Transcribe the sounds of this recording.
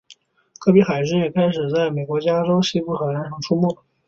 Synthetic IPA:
kʰɤ˥˩pi˧˥xa˨˩ɪʂɻ̩˥˩jɛ˨˩kʰa˥ɪʂɻ̩˨˩t͡sa˥˩ɪme˨˩ɪkwɔ˧˥t͡ɕja˥ʈ͡ʂo˥ʊɕi˥pu˥˩xa˨˩ɪna˧˥nʂʰɑ˧˥˩ŋʈ͡ʂʰu˥mu˥˩

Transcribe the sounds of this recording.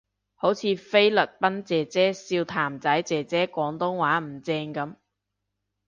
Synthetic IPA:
ho˨˥wt͡sʰiː˨˧fe˥jlɵ˨˩t̚pɐ˥nt͡sɛː˨˩t͡sɛː˥siː˧wt̪ʰaː˨˩mt͡sɐ˨˥jt͡sɛː˨t͡sɛː˥kʷɔː˨˥ŋt̪ʊ˥ŋwaː˨˥m̩˨˩t͡sɛː˧ŋkɐ˨˥m

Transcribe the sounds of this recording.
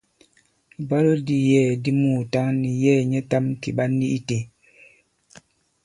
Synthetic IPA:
bɔ˦lo˦di˨jɛː˦˨di˦muː˦˨ta˦ŋni˨jɛː˦˨ɲɛ˦ta˦mki˨ɓa˦ni˦ʔi˦te˨

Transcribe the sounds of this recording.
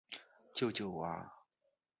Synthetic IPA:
t͡ɕjo˥˧ʊt͡ɕjo˥˩ʊa̰˥˧˩

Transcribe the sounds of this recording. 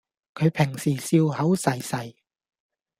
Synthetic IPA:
kʰɵ˨˧ɥpʰɪ˨˩ŋsiː˨˩siː˧whɐ˨˥wsɐ˨˩jsɐ˨˩j

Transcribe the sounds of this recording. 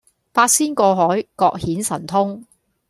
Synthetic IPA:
paː˧t̚siː˥nkɔː˧ɦɔː˨˥jkɔː˧k̚hiː˨˥nsɐ˨˩nt̪ʰʊ˥ŋ

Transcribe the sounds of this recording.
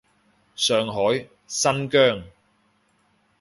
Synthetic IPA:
sœː˨ŋɦɔː˨˥j | sɐ˥nkœː˥˩ŋ

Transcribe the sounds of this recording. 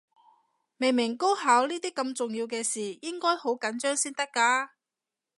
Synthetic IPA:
me˨jmɪ˨˩ŋko˥whaː˨˥wniː˥t̪iː˥kːɐ˧mt͡sʊ˨ŋjiː˧wkɛː˧siː˨˩jɪ˥ŋkɔː˥jho˨˥wkɐ˨˥nt͡ʃœː˥ŋsiː˥nt̪ɐ˥kːaː˧

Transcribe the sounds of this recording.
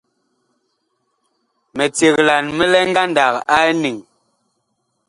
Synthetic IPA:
mɛ˨t͡sje˨kla˨nmɛ˦lɛ˦ŋ˦ɡa˦nda˨ka˦ni˨ŋ

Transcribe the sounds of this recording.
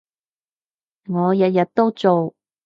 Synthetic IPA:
ŋɔː˨˧jɐ˨˧t̚jɐ˨t̚t̪ːo˥wt͡so˨w

